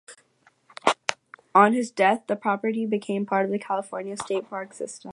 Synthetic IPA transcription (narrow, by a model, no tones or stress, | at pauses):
ə̃nɨzdɛθðɨpʰɹ̥ɑpə˞ɾibɨkʰẽɪ̃mpʰɑɹɾʌvðɨkʰælˠəfɔɹnjɨsteɪt̚pʰɑɹksɪstə̃m